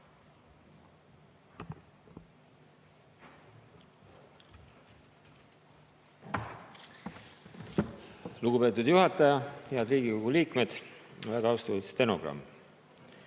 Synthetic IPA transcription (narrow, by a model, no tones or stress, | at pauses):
luɡupe̞t̪ːˑud̪̥juɦɑt̪ːˑɑjɑheɑld̪ɾiːɡ̥iko̞ɡ̥uliːkme̞d̪̥onvæɡ̥ɑɑwst̪oist̪ːe̞no̞̰ɡ̥rɑ̰mː